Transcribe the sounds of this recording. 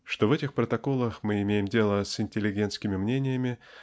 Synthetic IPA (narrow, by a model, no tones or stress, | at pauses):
ʂt̪o̞vɛtʲɪxpɾət̪ɐko̞lˠəxmɨɪmʲejɪmdʲe̞lˠəsɪnʲtʲɪlʲɪɡʲe̞nt̪skʲɪmʲɪmnʲenʲɪjəmʲɪ